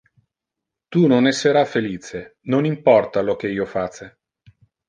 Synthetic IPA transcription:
t̪unonɛsːeɾafeliːt͡ʃenonimpɔrt̪alok̟eiːofat͡ʃːe

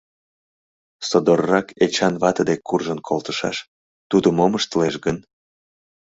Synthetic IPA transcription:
sod̪orːɑket͡ɕɑnβɑt̪əd̪ekːurʒənkʰolt̪ə̥ʃɑ̰ʃ | t̪ud̪əmoməʃt̪əleʃɡən

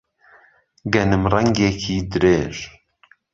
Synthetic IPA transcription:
ɡɛnɨmrɛŋɡekʰiːd̪ɨɾeːʒ

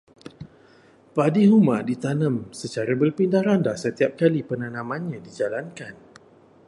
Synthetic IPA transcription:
padiɦumadit̪anə̃msət͡ʃaɾabərpindaɾandahsət̪iap̚kalipənãnãmãnɲãdid͡ʒalankan

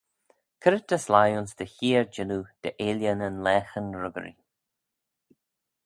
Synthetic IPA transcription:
kʰəɾət̚d̪əslajʊnsd̪əçiːɹd͡ʒɪnud̪̥əʔeːljənənlɛːxənɹʊɡə̰ɾḭ

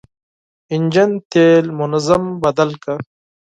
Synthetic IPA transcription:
ind͡ʑɐnt̪eːlmunɐzɐmbɐd̪ɐlkɐ

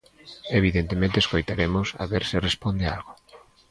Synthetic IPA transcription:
eβ̞iðent̪emẽnt̪eskojt̪aɾemʊsa̰βeɾsɪrespond̪ealɣo

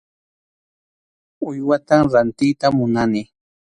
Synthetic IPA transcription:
ʊjwat̪amɾant̪ɪjt̪amʊnanɪ

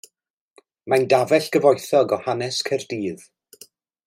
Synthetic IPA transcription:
mandavɛɬɡ̥əvɔjθɔɡɔhanɛskʰərdiːð

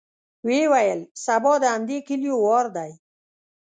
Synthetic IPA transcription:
wewajəlsabɔd̪əand̪ekɪljowɑɾd̪aj

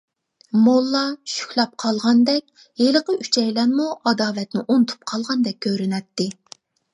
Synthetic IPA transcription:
molˠːɑʃy̥kʲlˠɑp̚qʰɑlˠʁɑnd̪ɛk̚ʲ | eləqəyt͡ʃʰɛjlɛnmuʔɑd̪ɑːlɛt̪nɪʔont̪ʰu̥p̚qʰɑlˠʁɑnd̪ɛk̚ʲkʲʰːøɾɪnɛt̪ːɪ

